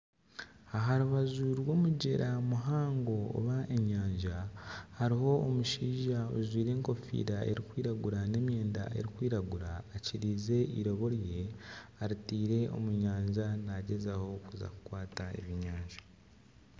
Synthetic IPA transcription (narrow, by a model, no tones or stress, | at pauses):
aɦaɾuβazuɾwo̞ːmuɟe̞ɾʔamuɦaːŋɡo̞̰ːβaʔe̞ɲaːɲʒahaɾiho̞ːmuʃiːʒaozwiːɾe̞ːŋko̞fḭːɾae̞̰ɾikwiːɾaɡuɾane̞ːmje̞ːnda̰ʔe̞̰ɾikwiːɾaɡuɾaːciɾiːze̞iɾo̞βo̞ɾje̞aɾitiːɾe̞o̞̰muɲaːɲʒanaɟe̞zaho̞kuza̰ku̥kwaːtaḛβiɲaːɲʒḁ